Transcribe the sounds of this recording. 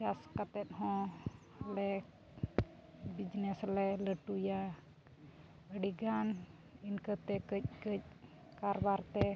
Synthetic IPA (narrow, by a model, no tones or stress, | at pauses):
d͡ʒaskat̪ɛt̪̚ɦɔ̃ | lɛ | bid͡ʒnɛslɛləʈuja | əɖiɡan | inkət̪ɛkəc̚kəc̚ | kaɾbaɾt̪ɛ